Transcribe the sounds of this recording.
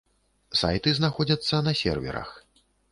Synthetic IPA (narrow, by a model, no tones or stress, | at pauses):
sa̰jt̪ɨznaxɔd͡zʲɐt̪sːɐnɐsʲɛ̰rvʲɛ̰ɾɐ̰x